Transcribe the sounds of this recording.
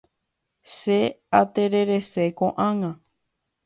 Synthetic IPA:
ʃeat̪eɾe̞ɾe̞sekõʔãŋã

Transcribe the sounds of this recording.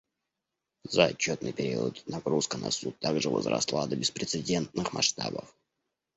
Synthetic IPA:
zəːt͡ɕːo̞t̪nɨjpʲɪɾʲiət̪nɐɡɾuskənɐsut̪ːaɡʐɨvə̰zɾɐ̰slˠad̪əbʲɪspɾʲɪt̪sɨdʲe̞nt̪nɨxmɐʂt̪abəf

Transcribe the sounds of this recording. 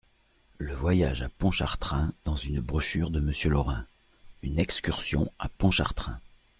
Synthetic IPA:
ləvwajaʒapɔ̃ʃaʁt̪χɛ̃d̪̥ɑ̃zynbʁɔʃyʁd̪əməsjølɔʁɛ̃ | ynɛkskʲyʁsjɔ̰̃apɔ̃ʃaʁt̪χɛ̃

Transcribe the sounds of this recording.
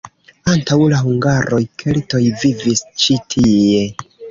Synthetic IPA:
antawlahuŋɡaɾʔo̞jkʰe̞lto̞jvivist͡ʃitʰie̞

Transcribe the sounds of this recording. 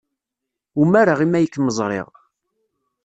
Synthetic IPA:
umaɾaʁimːæjəkːməzˤɾˤḛʁ

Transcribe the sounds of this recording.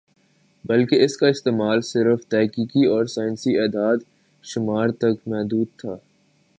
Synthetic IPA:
bɐlkeɪskaɪst̪eːmaːlsɪɾft̪ɛɦkiːkiɔːɾsaːɪnsieːd̪aːd̪ | ʃʊmaːɾt̪ɐkmɛɦd̪uːd̪̚t̪ʰaː

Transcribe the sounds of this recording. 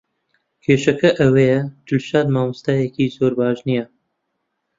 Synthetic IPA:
kʰeːʃɐkɐʔɐwejɐd͡ʒʊlʃaːd̪maːmust̪aːjekiːzoːɾbaːʒnija

